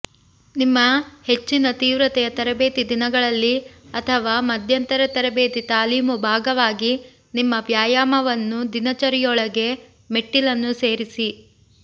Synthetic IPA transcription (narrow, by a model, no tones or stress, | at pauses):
nimːɐhe̞t͡ʃːinɐt̪iːʋɾɐt̪ɛjɐt̪ɐɾɐbe̞ːt̪id̪inɐɡɐɭɐlːiɐt̪ʰɐʋaːmɐd̪ʱjɐnt̪ɐɾɐt̪ɐɾɐbeːt̪it̪aːliːmubʱaːɡɐʋaːɡi | nimːɐʋjaːjaːmɐʋɐnːud̪inɐt͡ʃɐɾijɔɭɐɡe̞ | meʈːilɐnːuse̞ːɾisi